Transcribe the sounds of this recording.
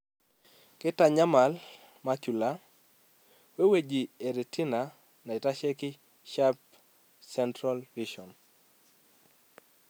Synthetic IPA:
kɪ˦ta˨ɲa˦ma˨l | ma˦t͡ʃu˨la˦ | we˦we˦d͡ʒi˨e˨ɾe˨ti˦na | na˨ɪ˨ta˦ʃe˦kɪ˦ | ʃap | sɛntɾalrid͡ʒɔ˨n

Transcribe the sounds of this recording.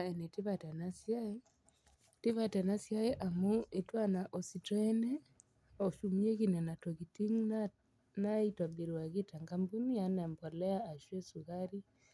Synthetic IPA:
ae˨ne˨ti˦βatɛ˨nasjae | ti˦βatɛ˨na˦sja˦e˦ʔa˨muetwanaʔɔ˨sitwɛ˦nɛ˦ | ɔʃumie˦ɣinɛ˨na˨tɔɣitiŋ | naitwa˨bi˨ɾa˨ɣita˨ŋɡambu˦ni˦janɛ˨mbɔ˨lɛ˦aː˨ʃwe˦su˨ɣaɾi˦

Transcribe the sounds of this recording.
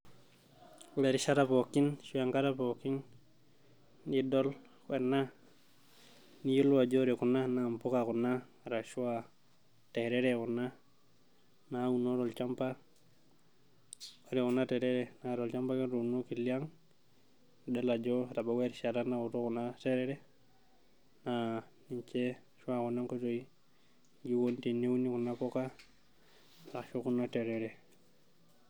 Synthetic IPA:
we˨ɾi˨ʃa˦ɾa˦po˨ki˦nʃu˦a˨ŋka˦ɾa˦po˨kːi˦n | i˦do˦l | kwe˨nːa˦ | ni˦ju˦lwa˨d͡ʒo˦ɾi˨ku˨nːa˦na˨mpu˦ka˨ku˨nːa˦ | ɾa˨ʃu˦wa | te˨ɾe˦ɾeku˨nːa˦ | nawu˨no˦ɾo˨lt͡ʃa˦mpa˦ | oɾiku˨nːa˦te˨ɾe˦ɾenaɾo˨lt͡ʃa˦mpa˦ka˦ɾo˨u˨no˦ki˨li˦a˦ŋ | da˦la˨d͡ʒo˦ɾa˨ba˨we˦ɾʃa˨ɾa˦na˦u˨to˦ku˨na˦te˦ɾe˦ɾe˦ | na | niɲt͡ʃe˦ | ʃu˦aku˨na˦ŋko˦to˨i | ɡi˦wonti˨ne˦uni˦ku˨nːa˦po˦ka˦ | ɾa˨ʃu˦ku˦na˦te˨ɾeɾe˨

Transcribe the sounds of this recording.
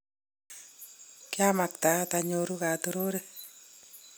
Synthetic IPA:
kɪ˦a˦ma˨k̚t̪a˨˦t̪a˨ɲo˨ɾu˦ka˨t̪o˦ɾo˦ɾe˦

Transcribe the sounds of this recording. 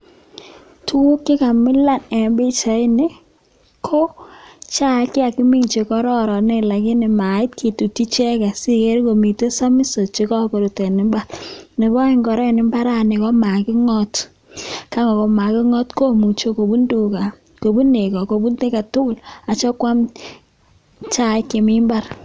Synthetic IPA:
tu˦u˦kːɪ˦ka˨mɪ˦la˦˨nɛ˨mbi˦t͡ʃa˨ɪ˦nɪ˦ | kʰo˦t͡ʃa˦kɪ˦a˨ki˦mi˦ŋt͡ʃe˨kɔ˦ɾɔ˦ɾɔ˨ne˦˨la˨kɪ˦nɪ˨ma˨ɪ˦t̚kʰi˨tu˨ti˦t͡ʃɛ˦ka˨si˦ke˦ɾko˨mi˨te˦sa˦mi˦so˨t͡ʃe˦kɔ˦ko˨ɾu˨tɛ˨nɪ˨˦mba˦lne˨bɔ˦ɪ˦ŋɡɔ˨ɾɛ˦˨nɪ˨mba˦ɾa˦nɪ˨kɔ˦ma˨kɪ˦ŋɔ˦t | ka˦ŋɔ˨kɔ˨ma˨kɪ˦ŋɔ˦tko˦˨mu˨t͡ʃo˦ko˨bu˦ndu˨ka˨ | ko˨bu˦ne˨kɔ˨ko˨bu˦nte˦ka˨tʊ˦kʊ˦˨la˨t͡ʃɔ˦kwa˦m | t͡ʃa˦ɪ˦ke˨mɪ˦mba˦r

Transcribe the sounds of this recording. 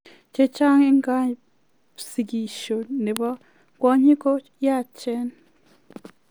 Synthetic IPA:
t͡ʃe˦t͡ʃa˦ŋe˦ŋɡa˦ | si˨ɡi˨ʃo˨ne˨βa˦ | kwa˦ɲi˦ko˦ | ja˦˨t͡ʃɛ˦n

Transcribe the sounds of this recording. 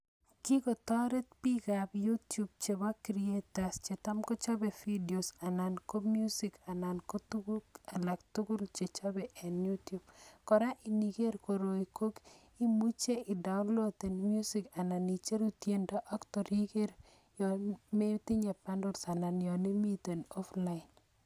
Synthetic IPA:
ki˦ko˨t̪ɔ˦ɾe˦t̚pi˦kabju˦tju˦b̚t͡ʃe˨ba˦kɾie˦ta˨st͡ʃe˨t̪a˦mkɔ˦t͡ʃɔ˦be˨fi˦di˨o˨sa˨na˨nko˦mju˦si˨ka˨na˨nko˦tu˦ɡua˨la˨kt̪u˦ɡu˦lt͡ʃe˨t͡ʃɔ˦bɛ˨ʔɛ˨nju˦tju˨b̚kɔ˨ɾa˦ʔi˨ni˨ɡe˦ɾko˨ɾo˨i˨ko˦k | i˦mu˦t͡ʃe˦ɪ˨da˨ʊ˦nlo˦t̪e˨nmju˦si˦ka˨na˨ni˨t͡ʃe˦ɾu˦tje˨˦nda˦ʔɔ˦ktɔ˨ɾi˦ɡe˦ɾ | jɔme˦ti˦ɲe˨pa˦ndɔ˦lsa˨na˨njɔ˨ni˦mi˦t̪e˨nɔ˦fla˦in

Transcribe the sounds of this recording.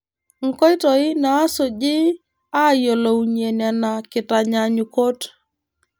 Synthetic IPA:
ŋ̩˨kɔ˦ɪ˦tɔ˨ɪ˦naː˨˦so˨d͡ʒɪ˦ | a˦jo˨lo˨wɲe˨na˨na˨kɪ˨ta˨ɲa˨ɲu˨ko˦t

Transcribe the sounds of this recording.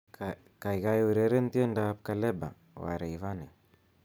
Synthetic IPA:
ka˨i˨ɣa˨ju˨ɾɛ˨ɾɛ˦n˦ti˦ɛ˦nda˨p̚ka˨lɛ˦ba̰˨ | wa̰˨ɾa˨iva˦nɛ˨

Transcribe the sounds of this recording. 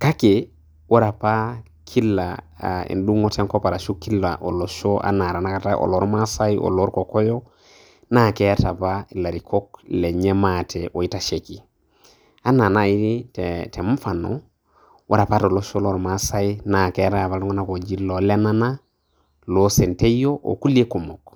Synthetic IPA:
ka˦ke˨ | wo˦ɾa˨pa˦ | kʰi˦la˨ḛ˨ndu˦ŋo˦te˦ŋko˦pa˨ɾa˨ʃu˦ki˦la̰˨ʔo˨lo˨so˦ʔa̰˦na˨ɾa˨na˦ka˨ta˦ʔo̰˨lo˦ɾma˦sa˦i˦ʔo̰˨lo˦ɾko˨ko˦jo˦ | na˦˨ke˦a˦ta˨pa˦i˨la˨ɾi˨kʰo˦kle˨ɲe˦ma˦tʰe˨ʔo˨i˦ta˨ʃe˨ki˨ | a˦na˨na˦˨i˦ɾi˦tte˨m̩˦fa˨no̰ | wʔa˦ɾa˨pa˦to˨lo˦so˦lo˦ɾma˦sa˦i˦na˨ke˦ta˦˨βa˨lu˦ŋo˦na˦ko˨d͡ʒi˦lo˨le˦na˦na˦ | lo˦se˨nte˦jo˦ʔo̰˨ku˦le˦ku˨mo˨k

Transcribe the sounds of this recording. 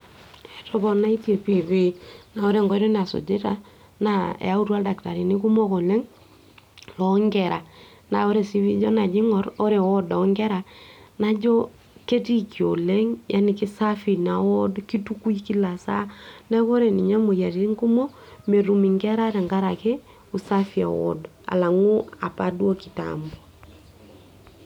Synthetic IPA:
ɛ˨tɔ˦˨bɔ˨na˦i˦tje˨pi˨βi˦na˨o˦ɾe˦ŋɡɔ˦ɾɔ˦na˨so̰˨d͡ʒe˦ta˨ | na̰˦˨a˦u˦twa˦lda˨kta˨ɾi˨ni˦ku˦mo˦ko˨lɛ˦ŋ | lɔ˨˦ŋɡɛ˨ɾa˨ | na˨o˦ɾe˨si˦βi˦d͡ʒɔ˦na˨d͡ʒi˦ŋɔ˦ɾo˦ɾe˨wɔ˦dɔ˨˦ŋɡɛ˦ɾa˨na˦d͡ʒɔ˦ | ke˦ti˦ki˨o˨le˦ŋjʔa˦ni˨ki˦sa˦fi˨na˨wo˦dki˦tu˦ku˦iki˦la˨sa̰˦na˦ko˦ɾe˨ni˨ɲa˦mo˨ja˨ɾi˨i˦ŋku˦mo˦ | me˨ɾu˨mi˨ŋɡe˦ɾa˦ɾe˨ŋɡa˦ɾa˨ke˦ | u˨sa˦fi˨a̰˨wo̰˦d | a̰˨la˨ŋu˦a˨pa˦du˦o˦ki˨ta̰mbo˨

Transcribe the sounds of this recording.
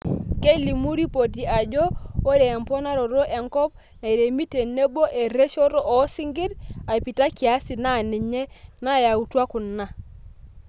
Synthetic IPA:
ke˦li˨mu˦ɾi˦po˨ti˨a˨d͡ʒɔ˦o˦ɾeː˨mpɔ˦na˦ɾɔ˨ɾo˦ʔɛ˨ŋkɔ˦p̚ | na˨i˨ɾe˨mi˦te˨ne˦bo˦ʔe˨ɾe˦ʃɔ˦ɾɔ˦ɔ˨˦si˦ŋɡɪ˦ɾa˨pi˨ta˦ki˨a˨˦si˨na˦˨ni˨ɲe˦na˦˨ja˨u˨twa˦kʊ˨nːa˦

